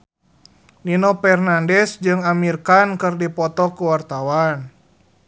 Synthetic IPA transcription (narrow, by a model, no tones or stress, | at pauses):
ninɔpɛrnandɛsd͡ʒɨŋamirkankɨrdipɔt̪ɔkuwart̪awan